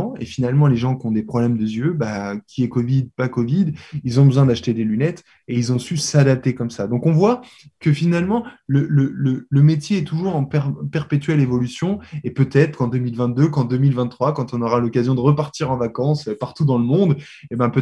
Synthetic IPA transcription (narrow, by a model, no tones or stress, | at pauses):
ḛfinalmɑ̃leʒɑ̃kʲiɔ̃d̪epχɔblɛmd̪əzjøbakʲʰiɛkɔvid̪̚pakɔvid̪ilzɔ̃bəzwɛ̃d̪aʃt̪ed̪elynɛt̪ | eilzɔ̃sysad̪ap̚t̪ekɔmsad̪ɔ̃kɔ̃vwa | kəfinalmɑ̃lələlələmet̪jeɛt̪uʒuʁɑ̃pɛʁpɛʁpet̪ɥɛlevɔlysjɔ̃epøt̪ɛt̪χkɑ̃d̪ømilvɛ̃t̪̚d̪økɑ̃d̪ømilvɛ̃t̪t̪ːχwakɑ̃t̪ɔ̃nɔʁalɔkazjɔ̃d̪əʁəpaʁt̪iʁɑ̃vakɑ̃søpaʁt̪ud̪ɑ̃ləmɔ̃d̪ | ebɛ̃pø